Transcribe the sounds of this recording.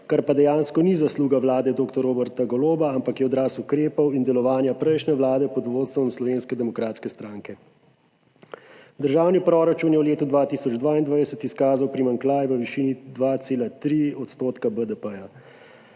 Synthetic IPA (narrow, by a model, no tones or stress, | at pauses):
kaɾpad̪ɛjaːnskɔnizasluːɡaʋlaːd̪ɛd̪oːkt̪ɔɾoːbəɾt̪aɡɔloːbaampakjɛɔd̪ɾaːsukɾeːpɔwind̪ɛlɔʋaːnjapɾɛjʃnɛʋlaːd̪ɛpɔd̪ʋoːt̪st̪ʋɔmslɔʋeːnskɛd̪ɛmɔkɾaːt̪skɛst̪ɾaːŋkɛ | d̪əɾʒaːwnipɾɔːɾat͡ʃunjɛwleːt̪ud̪ʋaːt̪iːsɔd͡ʒd̪ʋaːind̪ʋajsət̪iskaːzawpɾimaŋklaːjʋəʋiʃiːnid̪ʋaːt̪seːlat̪ɾiɔt̪st̪oːt̪kabəd̪əpəja